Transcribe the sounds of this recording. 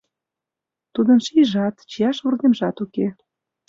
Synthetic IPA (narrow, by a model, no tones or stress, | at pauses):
t̪ud̪ənʃiʒɑt̪t͡ɕijɑʃβurɣemʒɑt̪uke